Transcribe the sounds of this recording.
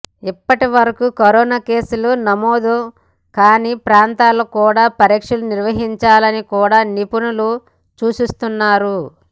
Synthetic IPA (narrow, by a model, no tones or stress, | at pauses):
ipːɐʈiʋɐɾɐkukoɾɔːnaːke̞ːsulunɐmoːd̪o | kaːniːpɾaːnt̪aːlokuːɽaːpɐɾikʂɐluniɾʋɐɦiɲt͡ʃaːlɐnikuːɽaːnipunulu | t͡ʃuːsust̪unːaːɾu